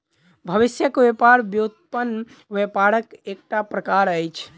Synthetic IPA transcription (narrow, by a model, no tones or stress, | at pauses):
bʱəʋisjəkʋepaɾbjut̪̚pən | ʋepaɾəkek̚ʈapɾəkaɾəjt͡ʃʰ